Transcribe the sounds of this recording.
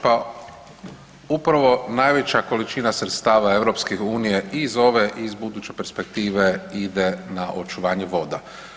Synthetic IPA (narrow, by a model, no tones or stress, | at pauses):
pa | upɾaʋo̞naːjʋe̞t͡ɕako̞lit͡ʃinasɾet̪st̪aːʋaeʋɾo̞pskixuːnijeizo̞ʋeʔizbud̪uːt͡ɕepeɾspe̞k̚t̪iːʋe̞id̪enaʔo̞t͡ʃuʋaːɲeʋo̞d̪a